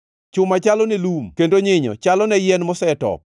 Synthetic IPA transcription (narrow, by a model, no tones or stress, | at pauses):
t͡ʃʊmat͡ʃalɔnelumkendoɲɪɲɔ̰t͡ʃalɔnɛjɛnmɔsɛtɔ̰p̚